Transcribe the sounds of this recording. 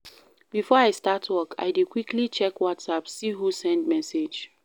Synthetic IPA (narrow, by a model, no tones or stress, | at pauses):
b̥ifɔaɪstatʰwɔkʰa̰ɪdikwikʰlit͡ʃɛkwɔtsapsiɦusɛ̃ndmɛsed͡ʒ